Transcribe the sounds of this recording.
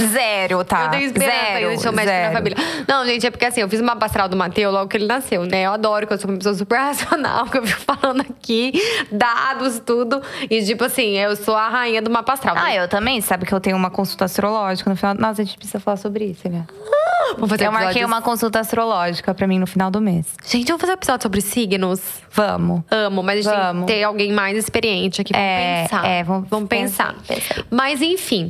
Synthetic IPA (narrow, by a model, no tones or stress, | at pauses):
zɛɾjʊt̪aew̪ẽj̃ʊɪspeɾsɛ̃sɐẽẽmɛd͡ʒsɛk̪ɐɾfamiljɐnɐ̃w̃ʒẽnt͡ʃɪɛpʊɾkeasĩewfizũmapast̪ɾawd̪ʊmat̪ewzlɔɡʊkɪelɪnasewnɛewad̪ɔɾʊkɪewsoũmɐpesowɐs̬upeɾhasiona̰wkewfikʊ̥falɐ̃nd̪ʊakid̪aad̪ʊɪst̪ud̪ʊɪt͡ʃipʊasĩewsoɐɦaĩɲɐd̪ʊmapast̪ɾaw̪aewt̪ɐ̃mbẽj̃sabɪkɪewt̪ẽɲʊumɐkõsut̪ɐast̪ɾolɔʒikɐnʊfinawdnɐ̃aʒẽnt͡ʃɪ̥pɾɪsizɐfalasobɾɪisʊelɛvɐ̃m̃fazeɾmɔkɛ̃ũmɐkõsut̪ɐast̪ɾolɔʒikɐpɾɐmĩnʊfinawd̪ʊmesʒ̥ẽnt͡ʃɪvɐ̃mwfazew̃epizɔd͡ʒʊsobɾɪsiɡnʊs | vɐ̃mʊɐ̃mʊmɐzɐʒɐ̃mʊt̪ẽjawɡẽj̃majzɪspeɾiẽnt͡ʃɪakkipɾɛpẽaɛvɐ̃mʊvɐ̃mʊpẽsa̰pḛ̃smɐzẽj̃fĩ